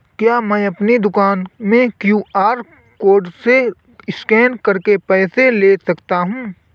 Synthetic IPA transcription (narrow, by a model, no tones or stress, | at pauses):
kjaːmɛ̃ːɐpnid̪ʊkaːnmẽkjuːaːɾ | koːɾɖse | ɪskɛːnɖkɐɾkepɛːseleːsɐkt̪aɦũː